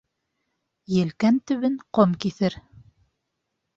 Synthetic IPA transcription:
jɘ̆lkænt̪ɵ̆βɘnqomkiθɘɾ

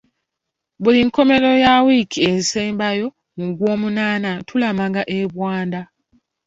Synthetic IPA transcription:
buliŋko̞me̞ɾo̞jawikʰie̞nse̞ːmbajo̞ | muɡwo̞ːmunaːnatʰulamaŋɡaʔeβwaːnda

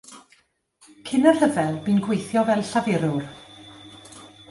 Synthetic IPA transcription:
kʰɪnɛrðəvɛlˠbiːnɡwejθjɔvɛlˠɬavɪɾʊr

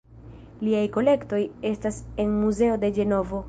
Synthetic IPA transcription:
liajko̞le̞kto̞je̞stase̞nmuze̞o̞de̞d͡ʒe̞no̞vo̞

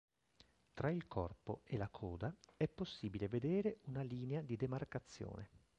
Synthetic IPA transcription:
t̪ɾailkʰɔrpo̰elakʰɔːd̪aɛpːosːiːbileved̪eːɾeunaliːnead̪id̪emarkat̪sːjo̰ːne

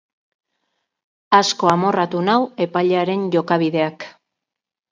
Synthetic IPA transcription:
asko̞amo̞rat̪unawe̞paʎaɾe̞nʝo̞kaβ̞iðe̞ak

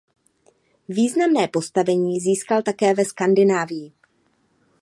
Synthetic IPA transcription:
viːznamnɛːpo̞st̪avɛɲiːziːskalt̪akɛːvɛskandɪnaːvɪjɪ

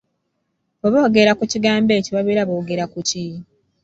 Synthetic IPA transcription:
oβo̞ːɡe̞ɾakuciɡaːmbe̞ːciβaβiɾaβoːɡe̞ɾakuci

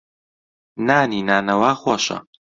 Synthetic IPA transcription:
naːniːnaːnɐwaːxwoːʃɐ̰

